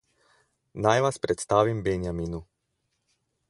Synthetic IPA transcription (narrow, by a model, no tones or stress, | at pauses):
najʋaspɾɛt̪st̪aːʋimbɛnjamiːnu